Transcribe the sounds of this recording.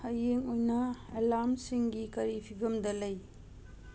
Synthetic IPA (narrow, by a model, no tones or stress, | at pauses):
ɐjeŋojnɐelamsiŋɡikɐɾipʰiɡɐmdɐlɐj